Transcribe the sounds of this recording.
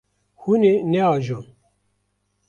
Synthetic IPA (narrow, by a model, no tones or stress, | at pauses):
huneneaːʒo